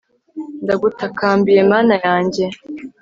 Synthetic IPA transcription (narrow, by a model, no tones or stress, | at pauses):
ndaɡutakaːmbije̞maːnajaːɲɟe̞